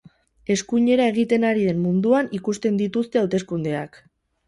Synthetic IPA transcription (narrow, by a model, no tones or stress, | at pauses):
e̞skuɲe̞ɾae̞ɣ̞it̪e̞naɾiðe̞mmund̪uanikust̪e̞nd̪it̪ust̪e̞awt̪e̞skund̪e̞a̰k